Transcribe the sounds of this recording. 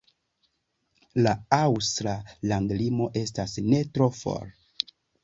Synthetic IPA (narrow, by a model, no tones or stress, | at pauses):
laawstɾalandlimo̞ʔe̞stasne̞tɾo̞fo̰ɾ